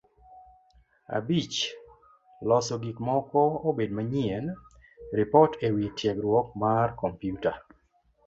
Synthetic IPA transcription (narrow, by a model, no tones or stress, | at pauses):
a̰bit͡ʃ | lɔsɔɡikmɔkɔobedmaɲien | ɾɪpɔtʰewitjeɡɾwɔk̚markɔmpjuta